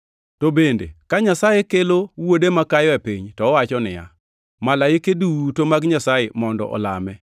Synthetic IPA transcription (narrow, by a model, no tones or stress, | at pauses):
tobendḛkaɲasajekelowodemakajɔepiɲtɔːwat͡ʃɔnɪja̰ | malaɪkedutomaɡɲasajemɔndɔ̰ʔɔ̰la̰mɛ